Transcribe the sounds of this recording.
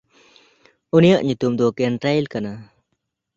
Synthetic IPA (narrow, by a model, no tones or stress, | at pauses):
unijaʔɲut̪umd̪ɔkɛnʈɾajlkana